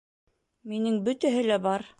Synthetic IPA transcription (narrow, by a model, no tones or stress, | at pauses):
minɘŋbɵ̆t̪æɦɘlæbɑɾ